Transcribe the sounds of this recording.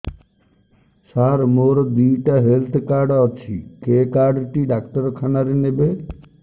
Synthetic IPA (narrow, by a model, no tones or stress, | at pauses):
saɾmoɾd̪iʈaɦelt̪ʰkaɾɖɔt͡ʃʰikekaɾɖʈiɖakʈɔɾkʰanaɾenebe